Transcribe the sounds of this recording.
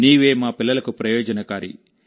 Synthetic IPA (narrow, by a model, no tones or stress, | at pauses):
niːʋeːmaːpilːɐlɐkupɾɐjoːd͡ʒɐnɐkaːɾḭ